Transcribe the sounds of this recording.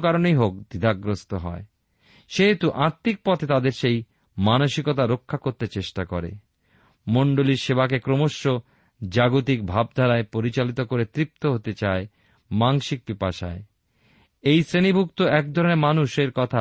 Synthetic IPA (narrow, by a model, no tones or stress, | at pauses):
kaɾonejɦok̚d̪id̪ʱaɡɾost̪oɦɔ̰e | ʃeɦet̪uʔaɾt̪ːik̚pɔt̪ʰet̪ad̪eɾʃej | manoʃikot̪̬aɾokʰːakoɾt̪et͡ɕeʃʈakɔɾḛ | moɳɖoliɾʃebak̬ekɾomoʃːo | d͡ʑaɡot̪ik̚bʱab̚d̪ʱaɾaepoɾit͡ɕalit̪okoɾet̪ɾip̚t̪oɦot̪et͡ɕae | maŋʃik̚pipaʃa̰e | ejsɾenibʱukt̪oɛk̚d̪ʱɔɾonemanuʃeɾkɔt̪ʰa